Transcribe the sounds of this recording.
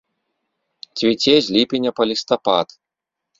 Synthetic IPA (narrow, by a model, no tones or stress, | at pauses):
t͡sʲvʲit͡sʲɛzʲlʲipʲinʲɐpɐlʲist̪apat̪